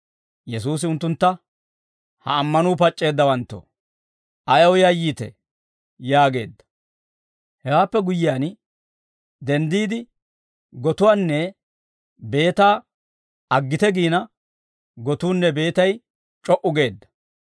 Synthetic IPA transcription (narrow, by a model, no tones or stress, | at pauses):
jɛsuːs̬ɪʊnt̪ːʊnt̪ːɐ | hɐ̰ːmːɐnuːpɐt͡ʃʼːe̞ːd̪ːɐwɐnt̪ːo̰ː | ɐjɐwʊjajiːt̪ɛ̰ | jaːɡe̞̰ːd̪ːɐ̥ | hɛwaːpːɛɡʊjːɪjaːn | d̪ɛnd̪iːd̪ɪ | ɡɔt̪ʊwaːnːɛ | be̞ːt̪aː | ɐɡːɪt̪ɛɡiːnɐ | ɡɔt̪uːnːɛbe̞ːt̪ɐj | t͡ʃʼɔʔʊɡe̞ːd̪ːɐ̥